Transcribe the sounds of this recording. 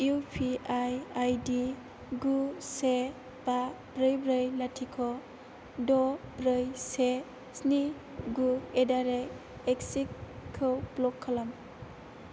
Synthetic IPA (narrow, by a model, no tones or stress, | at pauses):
upʰiajajdi | ɡuse | ba | bɾɯjbɾɯjlatʰikʰɔ | dɔbɾɯjse | sni | ɡuedaɾe | eksikkʰːɯblɔkʰːalam